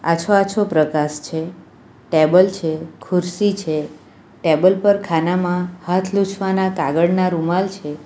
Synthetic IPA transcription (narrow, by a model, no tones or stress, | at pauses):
a̰t͡ʃʰoat͡ʃʰopɾəkaʃt͡ʃʰe | ʈebəlt͡ʃʰekʰʊɾsit͡ʃʰe | ʈebəlpəɾkʰanamãhat̪ʰlut͡ʃʰʋanakaɡəɽnaɾumalt͡ʃʰe